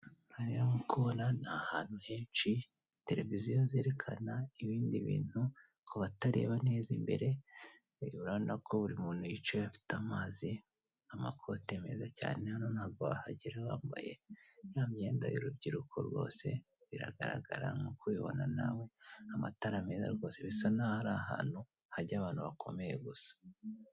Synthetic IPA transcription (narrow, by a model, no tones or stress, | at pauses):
haɾiɾomukuβo̞nanahaːn̥huhe̞ːnt͡ʃi | te̞ɾe̞vizijoze̞ːɾe̞kʰanaiβiːndiβḭːn̥hu | kʰoβataɾe̞̰ːβane̞ːzimbe̞̰ɾe̞ | iβuɾaβonakʰo̞βuɾimuːn̥hujit͡ʃojafi̥tamaːzi | amakʰo̞teme̞zaca̰ːne̞hano̞nhaːβ̚ɡoβa̰haɟiɾewaːmba̰je̞̰jaːmɲe̞ːnda̰joɾubɟiɾukʰo̞̰ɾɡwo̞̰ːse̞̰βiɾa̰ɡaɾa̰ɡaɾa̰mukuβiβo̞̰nana̰we̞amataɾame̞za̰ɾɡo̞ːse̞βisanahaɾaɦa̰ːn̥hu | haɾɟaβaːnhuβakʰo̞̰me̞je̞ɡusḁ